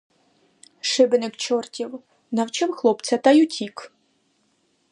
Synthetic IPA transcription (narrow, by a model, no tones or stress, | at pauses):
ʃɪbɪnɪkt͡ʃɔrtʲiw | nɐwt͡ʃɪwxlˠɔpt͡sʲɐt̪ɐjutʲik